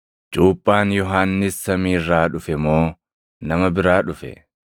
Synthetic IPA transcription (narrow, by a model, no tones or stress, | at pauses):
d͡ʒuːpʼːaːnjɔɦaːnːɪsːɐmiːrːaːᶑʊfɛmoː | nɐmɐbɪɾaːᶑʊfɛ̰